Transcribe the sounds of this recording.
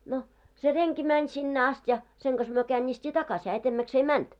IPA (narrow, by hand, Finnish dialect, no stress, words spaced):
no se reŋki mænʲ sinːe ɑst jɑ seŋ ɡ̊ɑs myø kæːnʲːiːstʲiː tɑkɑs hæː etemːæks ei mænt